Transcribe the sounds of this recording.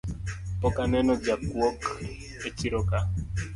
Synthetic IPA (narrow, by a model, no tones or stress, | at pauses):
pɔkanɛnɔd͡ʒakwok | et͡ʃiɾoka